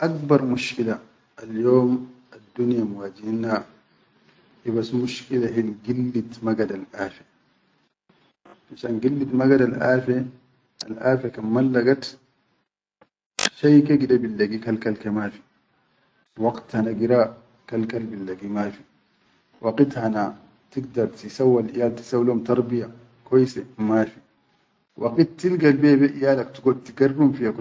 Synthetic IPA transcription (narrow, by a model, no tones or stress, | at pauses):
ʔakbɑɾˤmuʃkila | aljoːm | ad̪ːunjamuwaːd͡ʒina | hibasmuʃkilaɦilɡilːit̪maɡad̪alʔaːfe | aʃaːnɡilːit̪maɡadalʔa̰ːfe | a̰lʔaːfakamːalːaɡat̪ | ʃajkeɡidabilːaɡikalkalkemaːfi̥ | wɑɡt̪hanaɡiɾa | kalkalbilːaɡimaːfi | wʔaqit̪hana | t̪iɡd̪ɑɾˤt̪isawːalʔijaːlt̪i̥sawlumt̪ɑɾˤbija | kojsemafi | wʔaqitːilɡalbiabeʔijaːlakt̪uɡod̚t̪iɡaɾbumfijak